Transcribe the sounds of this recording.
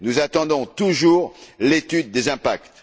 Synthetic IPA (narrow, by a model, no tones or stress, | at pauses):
nuzat̪ɑ̃d̪ɔ̃t̪uʒuːʁlet̪yd̪̚ːezɛ̃pakt̪